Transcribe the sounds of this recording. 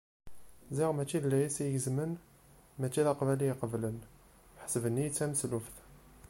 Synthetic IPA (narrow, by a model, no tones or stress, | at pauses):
ziʁmæt͡ʃːilːæjæsijəzmən | mæt͡ʃːiðɑqvælijqəvlən | ħsəvənːijət͡sːæməslufθ